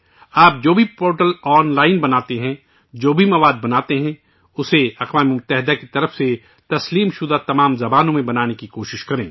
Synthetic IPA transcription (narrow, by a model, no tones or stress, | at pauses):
aːp̚d͡ʒoːbʱipoːɾʈəlɔːnlaːɪnbɐnaːt̪eɦɛ̃ | d͡ʒoːbʱimɐʋaːd̪̚bɐnaːt̪eɦɛ̃ | ʊseɐxʋaːmemʊt̪ːɛɦɪd̪akit̪ɐɾəfse | t̪ɐsliːmʃʊd̪at̪ɐmaːmzɐbaːnõmẽbɐnaːnekikoːʃɪʃkɐɾẽː